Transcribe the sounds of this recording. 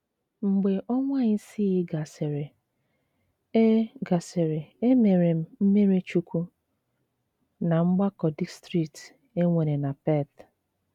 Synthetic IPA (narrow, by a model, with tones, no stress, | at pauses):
ŋ͡m̩˨ɡ͡be˨ʔɔ˦ŋʷa˦ɲɪ˦si˦i˦ɡa˨se˨ɾe˨ | e˦ɡa˨se˨ɾe˨e˦me˨ɾe˨m̩˦m̩˦me˦ɾe˦t͡ʃu˦kʷu˦ | na˨ŋ͡m̩˦ɡ͡ba˦kɔ˨di˦stɾi˦kt | e˦ŋʷe˨ɾe˨na˨pe˦˨t